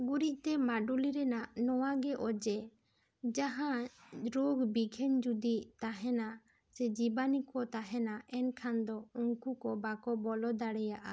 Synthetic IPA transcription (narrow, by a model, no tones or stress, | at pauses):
ɡuɾiʔ̚t̪ɛmaɖuliɾɛnaʔnɔwaɡɛʔɔd͡ʒɛ | d͡ʒaɦãɾoɡbiɡʰʱɛnd͡ʒud̪iʔt̪aɦɛna | sɛd͡ʒibanikɔt̪aɦɛnaɛnkʰand̪ɔuŋkukɔbakɔbɔlɔd̪aɽɛjaʔa